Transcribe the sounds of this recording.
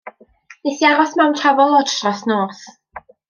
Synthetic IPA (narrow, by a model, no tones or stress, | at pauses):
neθiaɾɔsmɛwntʰravɔlˠɔdtʰrasnoːθ